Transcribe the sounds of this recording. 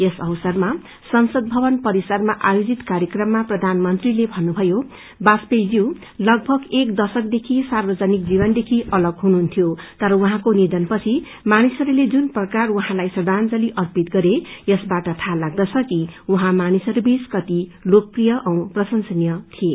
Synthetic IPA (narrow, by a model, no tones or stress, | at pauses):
esʌwsʌrma | sʌnsʌd̪̚bʱʌbʌnpʌɾisarmaʔajod͡zit̪kaɾjekrʌmːaprʌd̪ʱanmʌnt̪rilebʱʌnːubʱʌjo | baspejd͡ziw̃ | lʌɡbʱʌɡekd̪ʌsʌkd̪ekʰisarbʌd͡zanik̚d͡zibʌnd̪ekʰiʔʌlʌɡɦunuɦunt̪ʰijot̪ʌɾʌwuɦãkonid̪ʌnpʌt͡sʰi | manisʌɾuled͡zunprʌkarwuɦãlajsʌd̪ʱand͡zʌliʔʌrpit̪̚ɡʌɾejʌsbaʈʌt̪ʰalaɡ̚d̪ʌt͡sʰʌkiuɦãmanisʌɾubiskʌt̪ilok̚prijʌʔʌw̃prʌsʌnsʌnjʌt̪ʰije